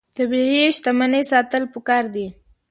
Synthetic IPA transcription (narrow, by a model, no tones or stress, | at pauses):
d̪̥əbeɦeʃt̪amanəjsɑt̪əlpəkɑɾd̪i